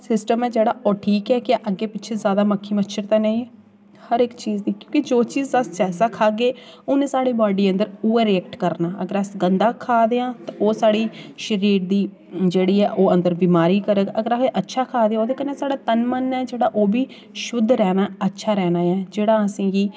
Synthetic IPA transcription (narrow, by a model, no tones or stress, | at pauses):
sɪsʈəmɛːd͡ʒeːɽaːʔoːʈʰiːkɛːkɪʔəɡːeːpɪtːt͡ʃʰeːzjaːd̪aːməkʰːiːmətːʃʰəɾt̪ãːnaːĩɛː | həɾɪkt͡ʃiːzd̪iːkjõːkɪd͡ʒoːt͡ʃiːzəsd͡ʒɛːsaːkʰaːɡeːʊːnẽːsaːɽeːbaːɖiːənd̪əɾuːəːɾiɛːkʈkəɾnaːʔə̰ɡəɾsɡənd̪aːkʰaːd̪eːãːt̪aʔoːsaːɽiːʃəɾiːɾd̪iː | d͡ʒeːɽiːɛːʔoːə̃nd̪əɾbiːmaːɾiːkəɾəɡəɡəɾaseːʔətːʃʰaːkʰaːd̪eːãːoːd̪eːkənːeːsaːɽaːt̪ənmənːɛːd͡ʒeːɽaːʔoːbiː | ʃʊd̪ɾɛːnaːətːʃʰaːɾɛːnaːɛːd͡ʒeːɽaːəsĩːɡiː